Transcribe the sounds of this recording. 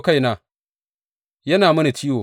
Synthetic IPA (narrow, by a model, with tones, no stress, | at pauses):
ka˦jnaː˨ | jɐ˦naː˨mɐ˦ni˨ti˦woː˨